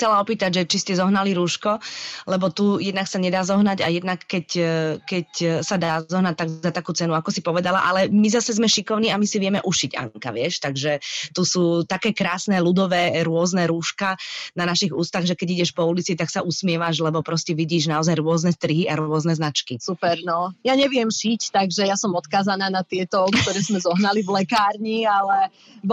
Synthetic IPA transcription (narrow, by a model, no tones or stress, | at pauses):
t͡sɛlaɔpiːt̪aɟʒɛt͡ʃiscɛzɔɦnaliɾuːʃkɔlɛbɔt̪ujɛd̪naksaɲɛd̪aːzɔɦnaɟa̰jɛd̪nakːɛckɛcsad̪aaːzɔɦnac̚t̪aɡzat̪akuːt͡sɛnuakɔsipɔʋɛd̪ala̰ʔalɛmizasɛzmɛʃikɔʊniːamisiʋɪɛmɛʔuʃiɟa̰ŋŋka̰ʋɪɛʃt̪aɡʒɛt̪usuːt̪akɛːkɾaːsnɛlud̪ɔʋɛːɾʊɔznɛɾuːʃkananaʃiɣuːst̪aɣʒɛkɛɟiɟɛʃpɔulit͡sit̪aksaʔusmɪɛʋaʒlɛbɔpɾɔscɛʋiɟiːʒnaɔzajɾʊɔznɛst̪ɾiɦiaɾʊɔznɛznat͡ʃkisupɛɾnɔjaɲɛʋɪɛmʃict̪aɡʒɛjasɔmɔt̪kaːzanaːnat̪ɪɛt̪ɔkt̪ɔɾɛːzmɛzɔɦnalivlɛkaːɾɲialɛ | b